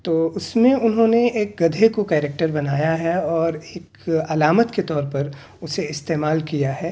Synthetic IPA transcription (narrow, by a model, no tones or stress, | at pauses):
t̪oːʊsmẽʊnɦõːneeːk̚ɡɐd̪ʱekokɛːɾɛk̚ʈəɾbɐnaːjaɦɛɔːɾeːk | ɐlaːmət̪ket̪ɔːɾpɐɾ | ʊseɪst̪eːmaːlkijaɦɛː